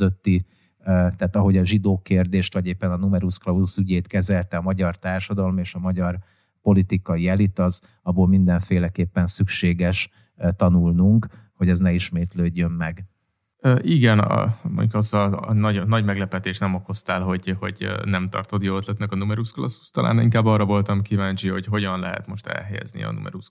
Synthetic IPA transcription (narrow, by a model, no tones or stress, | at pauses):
øt̪ːi | t̪aːt̪ɒɦo̞ɟɒʒid̪oːkeːrd̪eːʃt̪vɒɟeːpːɛnɒnumɛɾusklɒusyɟeːt̪kɛzɛlt̪ɛɒmɒɟɒrt̪aːrʃɒd̪ɒlomeːʃɒmɒɟɒr | po̞lit̪ikɒiɛlit̪ɒz | ɒboːlmind̪ɛɱfeːlɛkeːpːɛnsykʃeːɡɛʃ | t̪ɒnulnuŋkho̞ɟɒznɛiʃmeːt̪løːɟːø̞mːɛɡ | øːʔiɡɛn̰mo̰ɲɟukɒst̪ɒnɒɟnɒɟmɛɡlɛpɛt̪eːʃnɛmo̞ko̞st̪aːlɦo̞ɟho̞̰ɟnɛmt̪ɒ̰rt̪o̞t̪joːøt̪lɛt̪nɛkɒnumɛɾusklɒsːu̥st̪ɒla̰ːniŋkaːbːɒrɒvo̞lt̪ɒmkivaːɲt͡ʃiho̞cɦo̞ɟɒnlɛɦɛ̰t̪mo̞ʃt̪ɛ̰lɦɛjɛ̰znḭɒ̰nṵmɛ̰ɾus